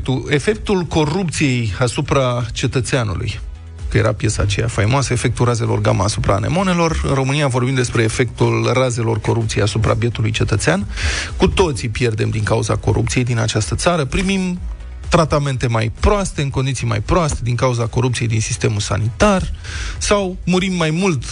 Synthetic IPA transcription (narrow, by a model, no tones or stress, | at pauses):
k̚t̪ue̞fe̞k̚t̪ulko̞rup̚t̪sije̞jasupɾat͡ʃe̞t̪ət̪seanṵlṵj | kəje̞ɾa̰pje̞sa̰ːt͡ʃe̞ja̰fajmoasəe̞fe̞k̚t̪uraze̞lo̞rɡa̰məasupɾa̰ːne̞̰mo̞ne̞lo̞rɨnro̞mɨnijavo̞rbimd̪e̞spɾe̞ːfe̞k̚t̪ulraze̞lo̞rko̞ɾup̚t̪sijejasupɾa̰bje̞t̪ulujt͡ʃe̞t̪ət̪seankut̪o̞t̪sipje̞rd̪e̞md̪iŋkauza̰ko̞̰ɾʔṵpt̪sijejd̪inat͡ʃast̪ət̪saɾəpɾimim | t̪ɾat̪ame̞nt̪e̞majpɾoast̪e̞ɨŋko̞nd̪it̪ijma̰jpɾoast̪e̞d̪iŋkauzako̞ɾupt̪sije̞jd̪insist̪e̞mulsa̰nit̪ar | sawmuɾimːajmult̪